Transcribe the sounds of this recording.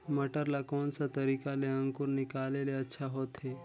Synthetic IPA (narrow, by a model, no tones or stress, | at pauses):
məʈəɾlakoːnsat̪əɾikaleə̃ŋkuɾnɪkaleleətːʃʰaɦot̪ɦe